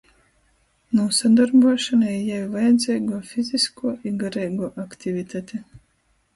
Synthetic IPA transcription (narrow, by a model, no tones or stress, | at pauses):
nuːsad̪aɾbuɔʃanaijavvajad̪zʲɛjɡuːfiziskuɔiɡaɾɛjɡuːʔakt̪ivit̪ʰat̪e